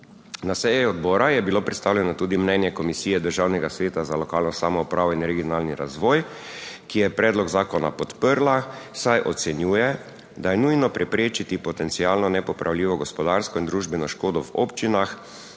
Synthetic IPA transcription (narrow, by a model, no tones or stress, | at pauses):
nasɛːjɛɔd̪bɔːɾajɛbiloːpɾɛt̪st̪aːwljɛnɔt̪uːd̪imnɛnjɛkɔmisiːjɛd̪əɾʒawnɛɡasʋeːt̪azalɔkaːlnɔsaːmɔupɾaːʋɔinɾɛɡijɔnaːlniɾa̰zʋɔːj | kijɛpɾɛːd̪lɔɡzaːkɔna̰pɔt̪pəɾlasajʔɔt̪sɛnjuːjɛ | d̪ajɛnujnɔpɾʔɛpɾeːt͡ʃit̪ipɔt̪ɛnt̪sijaːlnɔnɛpɔpɾʔawlʲiːʋɔɡɔspɔd̪aɾskɔind̪ɾuːʒbɛnɔʃkoːd̪ɔwɔ̰pt͡ʃinax